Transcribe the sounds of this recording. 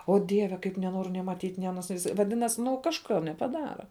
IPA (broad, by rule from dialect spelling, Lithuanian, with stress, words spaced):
ˈoː ˈdʲiɛʋʲɛ kɐɪp nʲɛˈnoːrʲʊ nʲeː mɐˈtʲiːtʲ nʲeː ɐˈnoːs ʋɐˈdʲɪnɐs ˈnʊ kɐʃˈkɐ nʲɛpɐˈdɑːrɐ